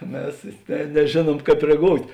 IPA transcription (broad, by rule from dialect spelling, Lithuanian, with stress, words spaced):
ˈmʲɛs ˈnʲɛ nʲɛˈʒʲeːˌnuɔm ˈkɑːp rʲɛˈɡoːʊtʲ